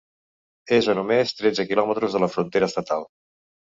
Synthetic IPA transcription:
ezənumest̪ɾɛdd͡zəkilɔmət̪ɾuzðələfɾunt̪eɾəːst̪ət̪alˠ

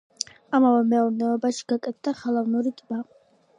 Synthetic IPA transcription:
amavɛmɛuɾnɛɔbaʃi̥ɡ̥akʼɛt̪̚ʰd̪aχɛlˠavnuɾit̪ʼma

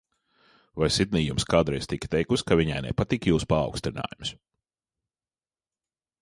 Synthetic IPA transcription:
vajsid̪̚niːjumskaːd̪ɾɛjst̪ikt̪ɛjkuskaviɲa̰jnɛ̰pat̪ikjuːspa̰ːwkst̪ɾɪna̰ːjums

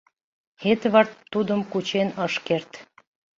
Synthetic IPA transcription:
et̪βɑrt̪ːud̪əmkut͡ɕenəʃkert̪

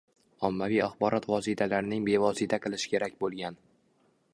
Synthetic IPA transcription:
ɒmːavijaχbɒɾʔɒt̪vɒsit̪ʰalaɾɪnɪŋbe̞vɒsit̪ʰaqʰɨlˠɪʃɪ̥kʲʰe̞ɾakʲbolˠɡʲan

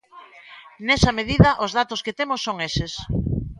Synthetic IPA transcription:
nesɐmeð̞iðɐʔozðat̪osket̪emosːoŋeses

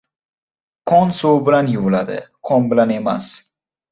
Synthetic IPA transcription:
qʰɒnsowbɪlanjʊvlad̪ɪ̰qʰɒnbɪlane̞ma̰s

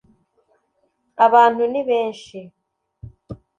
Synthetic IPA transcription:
aβaːn̥uniβeːnʃi

